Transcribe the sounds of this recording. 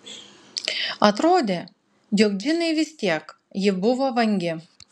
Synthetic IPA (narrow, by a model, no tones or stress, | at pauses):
ɐt̪ɾoːd̪ʲeː | jokd̪ʲɪnɐɪʋʲɪsʲt̪ʲiɛk | jɪbʊʋoʋɐŋʲɡʲɪ